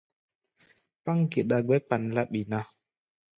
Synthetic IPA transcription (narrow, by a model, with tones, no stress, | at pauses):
pa˦ŋ˦ɡe˨ɗa˨ɡɛ˦k͡pa˨nla˦ɓi˨na˦